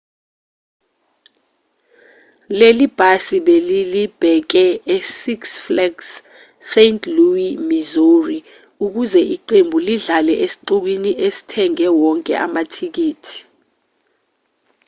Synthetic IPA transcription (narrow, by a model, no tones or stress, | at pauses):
lelib̥ʱasiɓelilib̥ʱɛk̬ɛesiksflɛɡs | sentʰluimizori | uk̬uzɛʔiǃembʱuliɮalɛʔesi̥ǃuk̬winiʔesi̥tʰɛŋɛwɔŋkʼɛ̰ʔa̰matʰik̬iːtʰi̥